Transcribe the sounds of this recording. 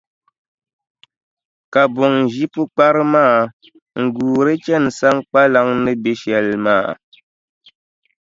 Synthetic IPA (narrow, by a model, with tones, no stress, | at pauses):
ka˨bɔ˨ŋ˨ʒi˦pu˦k͡pa˦ɾɨ˦maː˦˨ | ŋ̩˨ɡuː˨ɾe˦t͡ʃɛ˦˨n̩˨sa˦ŋk͡pa˦la˦ŋnɨ˦be˦ʃjɛ˨lma̰ː˦˨